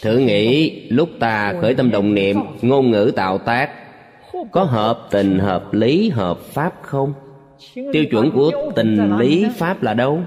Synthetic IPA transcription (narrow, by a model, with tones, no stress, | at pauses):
t̪ʰɨ̰˧˩əŋḭ˧˥lʊ˦˥k͡p̚t̪aː˨˩xəː˧˩jt̪ə˧mɗə̰˧˨wŋ͡mnḭ˧˨əmŋo˧nŋɨ̰˧˥t̪a̰ː˧˨wt̪aː˦˥k̚ | kɔ˨˦ɦəː˨˩p̚t̪ï˨˩ŋ̟ɦəː˨˩p̚li˨˦ɦəː˨˩p̚faː˦˥p̚xə˧wŋ͡m | t̪i˧əwt͡ɕwə̰˧˩nku˧˩ət̪i˨˩ŋ̟li˨˦faː˦˥p̚laː˨˩ɗə˧w